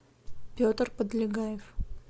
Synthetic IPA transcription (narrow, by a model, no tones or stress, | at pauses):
pʲot̪rpəd̪lʲɪɡajɪf